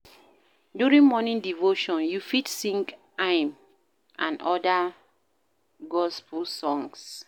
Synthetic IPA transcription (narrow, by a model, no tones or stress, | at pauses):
djuɹĩŋmɔnĩŋdivoʃɔ̃njufitsĩŋk | ãɪm | ʔãnɔda | ɡɔspulsɔ̃ŋs